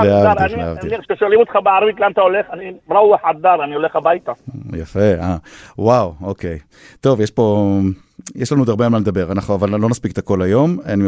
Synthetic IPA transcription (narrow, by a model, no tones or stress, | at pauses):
leavdianiea̰viiʃeʃelimot̪χabeaɾvit̪leant̪aoleχanimɾauaħad̪̚d̪aɾanioleχabajt̪ajafe̞awawokej | t̪o̞vjeʃpo̞ | jeʃlanud̪aʁbeanmanld̪abe̞ʁanaχnuavalːo̞naspiket̪ako̞lajo̞mani